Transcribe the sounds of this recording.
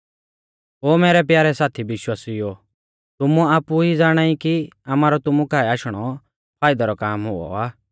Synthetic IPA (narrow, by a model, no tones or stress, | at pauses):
ɦoːmɛːɾɛpjaːɾɛsaːt̪ʰibɪʃwaːsɪjo | t̪ʊmũaːpuid͡zaːɽ̃aːikiamaːɾɔt̪ʊmũkaːɛaːʃɽ̃ɔ | pʰaːɪd̪aɾɔkaːmɦʊɔ̰aː